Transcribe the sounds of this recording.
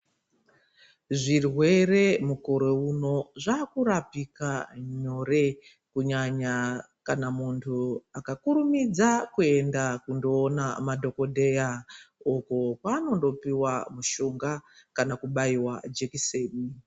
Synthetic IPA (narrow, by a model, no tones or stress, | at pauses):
ʐirwe̞re̞muko̞ɾo̞uno̞ʐaːkuɾapikaɲo̞re̞ | kuɲaɲa | kanamuntʰuakakuɾumid͡zakue̞ndakundo̞ːnamadʱo̞ko̞dʱe̞jaokokwaːno̞ndo̞piwamuʃuŋɡakanakuɓaiwad͡ʒekiseːni